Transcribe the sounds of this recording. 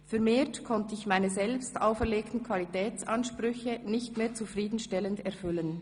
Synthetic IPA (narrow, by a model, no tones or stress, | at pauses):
fɛɐmeːɐtkʰɔntəɪçmaɪnəzɛlpstaʊfɛɐʁleːktn̩kʰvalitɛːt͡sɑnʃpʁʏçənɪçtmeːt͡sufʁiːdn̩ʃtɛləndɛʁfʏlən